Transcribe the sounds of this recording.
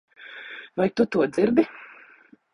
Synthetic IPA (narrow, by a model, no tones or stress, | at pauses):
vajt̪ut̪uɔd̪ziɾd̪i